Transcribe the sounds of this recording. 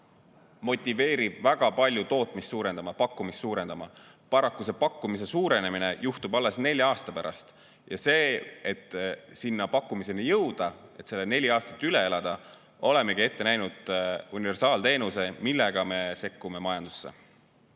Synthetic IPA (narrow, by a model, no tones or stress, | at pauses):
mo̞t̪ʲːˑive̞ːɾib̥væɡ̥ɑpɑlʲjut̪o̞ːt̪ˑmist̪suːɾe̞nd̪̥ɑmɑpɑkːumist̪ːuːɾe̞nd̪ɑmɑ̰ | pɑɾɑkːuse̞pɑkːumis̬e̞suːɾe̞ne̞mine̞juht̪ubɑlːe̞sne̞lʲjɑːst̪ɑpæɾʔɑ̰st̪ | jɑse̞ːet̪ːsinːɑpɑkːumise̞nijɤwd̪̥ɑe̞t̪se̞lːene̞lʲiɑːst̪ɑ̥t̪ːˑyle̞elɑd̪̥ɑ | o̞le̞me̞ɡ̥ie̞t̪ːe̞næjnud̪̥unive̞rsɑːlt̪e̞ːnuse̞milːe̞ɡ̥ɑme̞se̞kːume̞mɑjɑnd̪̥u̥sːe̞̰